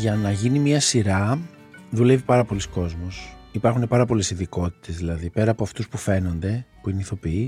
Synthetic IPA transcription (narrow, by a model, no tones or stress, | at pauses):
ʝɐnɐʝinimiɐsiɾɐ | ðule̞vipɐɾɐpo̞lisko̞zmosipɐɾxune̞pɐɾɐpo̞le̞siðiko̞t̪i̥t̪e̞zðilɐðipe̞ɾɐːpo̞ɐft̪uspufe̞no̞nd̪e̞puineiθo̞pii